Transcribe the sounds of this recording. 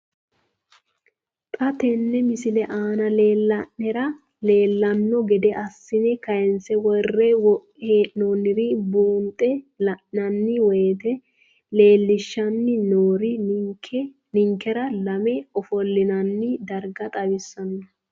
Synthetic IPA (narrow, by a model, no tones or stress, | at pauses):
t̪ʼɐt̪ɛnːɛmɪsɪlɛʔaːnɐleːlːɐnːɛɾɐ | le̞ːlːɐnːɔɡɛd̪ɛʔɐsːɪnɛkɐjɛnsɛwɔrːɛw | heːʔnonɪɾɪbuːnt̪ʼɛlɐʔɐnːɪwɛjt̪ɛ | le̞ːlːɪʃːɐnːɪnoːɾɪ | nɪŋkːɛɾɐlɐmɛɔfɔlːɪnɐnːɪd̪ɐɾɡɐt̪ʼɐbɪsːɐnːɔ